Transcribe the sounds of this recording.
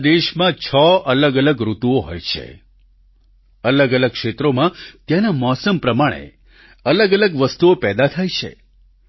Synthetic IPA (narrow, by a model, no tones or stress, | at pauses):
d̪eʃmãt͡ʃʰəələɡələɡɾut̪uoɦo̰jt͡ʃʰḛ | ələɡələɡ̚kʃet̪ɾomãt̪janamɔsəmpɾəmaɽ̃ḛ | ələɡələɡʋəst̪uopɛd̪at̪ʰajt͡ʃʰḛ